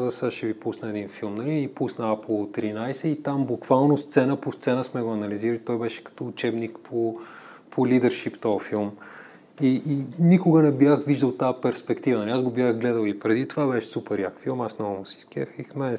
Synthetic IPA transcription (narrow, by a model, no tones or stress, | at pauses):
zəsaʃɛvipusnəɛd̪infilˠmnɐliːpusnɐaplˠt̪ɾinajsɛit̪ambukv̥alˠnost̪sɛnəpost̪sɛnəsmɛɡoɐnɐliziɾəlit̪ɔjbɛʃɛ̥kɐ̥t̪ɔːt͡ʃɛbnikpʰo | pʰolid̪əɾʃipt̪ɔfilˠm | iʔːnikoɡənɛbjaxviʒd̪əlˠt̪apɛɾspɛkt̪ivənɐlʲiazɡobjaxɡlɛd̪əlˠipɾɛd̪it̪ovabɛʃɛ̥supɛɾjakfilˠmasnɔvəmosi̥skʲɛ̰fixmɛ